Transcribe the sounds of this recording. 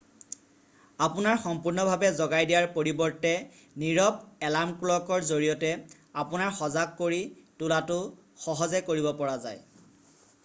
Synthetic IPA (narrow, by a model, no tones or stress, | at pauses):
apʊnaɹxɔmpuɹnɔbʱabɛzɔɡajdijaɹpoɹibɔɹtɛ | niɹɔp̚ɛlamkulɔkɔɹzoɹijɔtɛ | apʊnaɹxɔzakkoɹitʊlatʊ | xɔɦɔzɛkoɹibɔpɔɹaza̰j